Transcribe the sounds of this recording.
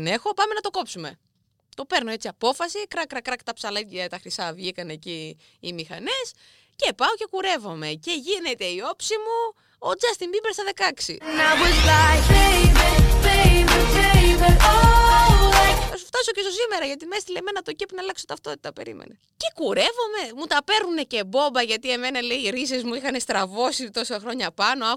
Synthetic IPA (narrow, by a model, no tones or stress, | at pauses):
ne̞xo̞pɐme̞nɐt̪o̞ko̞psume̞ | t̪o̞peɾnoe̞t͡siɐpo̞fɐsikɾɐkɾɐkɾɐkt̪ɐpsɐlɐet̪ɐxɾisɐvʝikɐneciː | mixɐ̰nes | ce̞pɐoce̞kuɾe̞vo̞me̞ce̞ʝine̞t̪e̞io̞psimu | od͡zɐst̪imbibeɾsθɐðe̞kɐksḭnɐbuzðɐçeiveeiveeive | ɐsuft̪ɐso̞cesosimeɾɐʝɐt̪̬imest̪ilemenɐt̪o̞cepnɐlɐkso̞t̪ɐft̪o̞t̪i̥t̪ɐpe̞̰ɾḭmḛne | cekuɾevo̞me̞mut̪ɐpe̞ɾnune̞ce̞bo̞mbɐʝɐt̪ie̞me̞nɐleiɾis̬e̞zmuixɐne̞st̪ɾɐvo̞sit̪o̞sɐxɾo̞ɲɐpɐno̞ɐ